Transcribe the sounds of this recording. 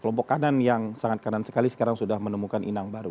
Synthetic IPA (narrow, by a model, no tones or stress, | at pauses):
kəlɔmpɔkːananjaŋsaŋat̪̚kanansə̥kalisə̥kaɾaŋsudahmənəmukanʔḭnaŋbaɾu